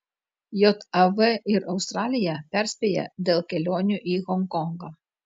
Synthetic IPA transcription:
jɔt̪ɐvɛɪɾʔɐʊst̪ɾɑlʲɪjæpʲæɾʲsʲpʲejɛ̰d̪ʲɛlˠkʲɛlʲoːnʲuʔiɣɔŋkɔŋɡɐ

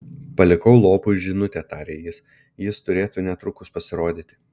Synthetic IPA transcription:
pɐlʲɪkɐʊlˠoːpʊɪʒʲɪnʊt̪ʲeːt̪ɑɾʲeːjɪs | jɪst̪ʊɾʲeːt̪uːnʲɛt̪ɾʊkʊspɐsʲɪɾoːd̪ʲiːt̪ʲɪ

